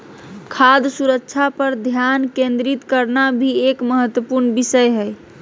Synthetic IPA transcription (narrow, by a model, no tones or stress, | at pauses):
kʰad̪suɾəkːt͡ʃʰapəɾd̪ʱjankẽnd̪ɾit̪kəɾnabʱiekməɦət̪wəpuɾnbisəjɦəj